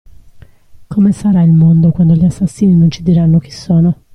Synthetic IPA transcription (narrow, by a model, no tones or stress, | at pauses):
kʰomesaɾailmond̪okwand̪oʎiasːasːiːninont͡ʃid̪iɾanːok̟i̥sːɔːno